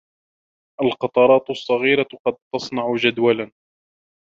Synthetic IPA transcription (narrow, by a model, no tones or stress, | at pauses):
ʔalqɑt̪ˤɑɾˤɑːt̪sˤːɑɣiːɾaqɑd̪̚t̪ɑsˤnɑʕʊd͡ʒad̪walan